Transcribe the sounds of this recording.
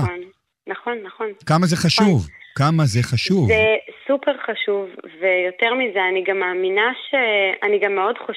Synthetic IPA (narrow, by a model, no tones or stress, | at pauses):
onː | aχo̞nːaχo̞nkamazeχaʃuvkamazeχaʃuvzesupeʁχaʃuvvejo̞teʁmizeaniɡamːaːminaʃeaniɡamːeo̞dχo